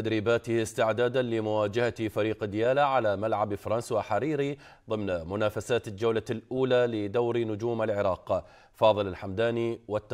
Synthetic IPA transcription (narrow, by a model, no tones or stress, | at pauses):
ad̪ɾiːbaːt̪ɪhst̪ɪʕd̪aːd̪anlɪmʊwaːd͡ʒahat̪faɾiːqd̪ɪjaːlaʕalamalʕabfɑɾˤɑnswaħaɾiːɾi | ðˤɨmnmʊnaːfasaːt̪d͡ʒawlalʔuːlalɪd̪awɾnʊd͡ʒuːmalʕɪɾˤɑːq | fɑːðˤɨlalħamd̪aːniwat̪ː